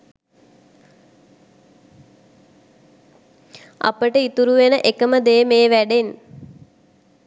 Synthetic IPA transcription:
ʔa̰pəʈəit̪uɾuʋenəʔekəməd̪eːmeːʋæɖen

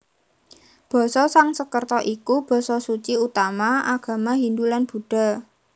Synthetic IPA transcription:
b̥ɔ̤sɔsaŋsəkərt̪ɔʔikub̥ɔ̤sɔsut͡ʃiut̪amaaɡ̥a̤maɦind̪ulanb̥ṳɖ̥a̤

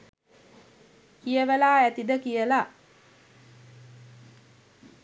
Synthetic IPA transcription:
kijəʋəlaːæt̪id̪əkijəla

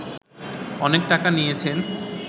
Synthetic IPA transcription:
ɔnek̚ʈakanijet͡ɕʰen

